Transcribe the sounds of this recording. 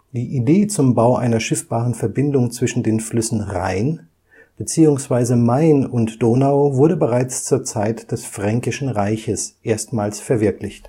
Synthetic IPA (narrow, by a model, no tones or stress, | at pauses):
d̥iːʔideːt͡sʊmbaʊʔa̰ɪnɐʃɪfb̥aːʁənfɛɐbɪndʊŋt͡sv̥ɪʃn̩deːnflʏsn̩ʁa̰ɪn | b̥ət͡siːʊŋsv̥aɪzəmaɪnʊntd̥oːnaʊvʊɐdəbəʁaɪt͡st͡suːɐt͡saɪtd̥ɛsfʁ̥ɛŋkɪʃn̩ʁaɪçəsʔeːɐstmaːlsfɛɐvɪɐklɪçt